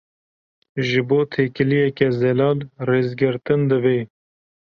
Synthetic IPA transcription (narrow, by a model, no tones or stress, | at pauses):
ʒɨboːt̪ʰeːkɨlijɛkɛzɛlɑːlreːzɡɨɾt̪ɨnd̪ɨbeː